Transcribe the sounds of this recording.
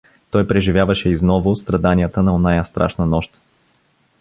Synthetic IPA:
t̪ɔjpɾɛʒivʲjavɐʃɛiznɔvʊst̪ɾɐd̪aniət̪ənɐonajəst̪ɾa̰ʃnənɔʃt̪

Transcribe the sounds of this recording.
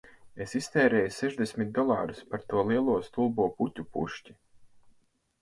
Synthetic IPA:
esist̪ɛːɾɛːjusɛʒd̪esʲmʲit̪̚d̪ɔlˠɑ̰ːɾuspaɾt̪uɔlˠiɛlˠuɔst̪ulˠbuɔputʲupṵʃci̥

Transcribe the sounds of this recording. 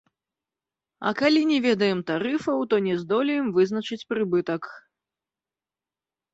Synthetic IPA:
ɐ̰kalʲinʲɛvʲɛd̪ɐjɛmt̪aɾɨfɐwt̪ɔnʲɛzd̪ɔlʲijɛmvɨzn̪ɐt͡ʂɨt͡sʲpɾɨbɨt̪ɐk

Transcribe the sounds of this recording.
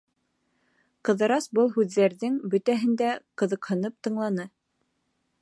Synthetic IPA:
qɤ̆ðɤ̆ɾɑsbɤlˠɦʉðːæɾðɘŋbɵ̆t̪æɦɘ̆nd̪æqɤ̆ðɤ̆qhɤ̆nɤp̚t̪ɤ̆ɴlˠɑnɤ

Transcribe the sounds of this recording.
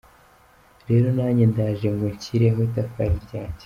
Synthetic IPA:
ɾe̞ːɾo̞naːɲendaːʒemɡeɲciɾeɦoitafaiɾɟaːce̥

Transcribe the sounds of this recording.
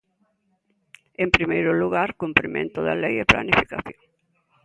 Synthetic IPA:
empɾimejɾʊluɣaɾkumpɾimḛ̃nt̪oðalejepla̰nifikaθjoŋ

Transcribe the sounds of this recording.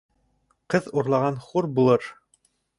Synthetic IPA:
qɤðuɾlˠɑʁɑnχuɾbulˠɤɾ

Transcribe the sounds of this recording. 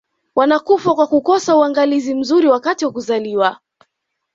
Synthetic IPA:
wanakufakwakukɔsauwaŋɡalizim̩zuɾiwakatiwakuzaliwa

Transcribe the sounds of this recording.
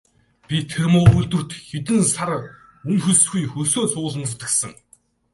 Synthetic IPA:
pʲit̪ʰermʊːɵɮt̪ɵ̆r̥t̪xet̪̬ɘ̆nsar | ɵnxɵ̆sxujxɵsoːt͡sʰʊːɮə̆mt͡st̪ə̆ksə̆ŋ

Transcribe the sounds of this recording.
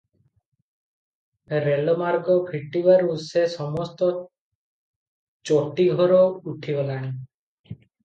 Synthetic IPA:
ɾelɔmaɾɡɔbʱiʈibaɾusesɔmɔst̪ɔ | t͡ʃoʈiɡʱɔɾɔuʈʰibɔlaɽ̃ĩ

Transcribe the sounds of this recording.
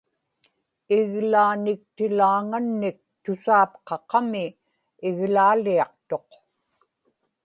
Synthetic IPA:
ɪɣlaːnɪk̚t̪ɪlaːŋanːɪk̚t̪ʊsaːpqɑqɑmɪ | ɪɣlaːliɑqt̪o̞q

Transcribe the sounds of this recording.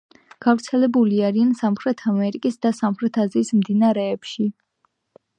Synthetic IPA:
ɡ̥avɾt̪sʰɛlɛbuliaɾiansamχɾɛt̪ʰamɛɾikʼisd̪asamχɾɛt̪ʰaziːsmd̪inaɾɛːpʃi

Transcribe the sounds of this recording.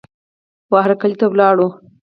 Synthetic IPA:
wɑɦɾakalit̪awlɑɽu

